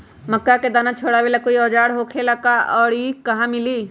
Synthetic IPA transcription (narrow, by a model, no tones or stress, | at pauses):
məkːaked̪aːnãt͡ʃʰoːɽaʋelakoiɔːd͡ʒaːɽɦoːkʰelakaɔːɾikɐɦãmɪliː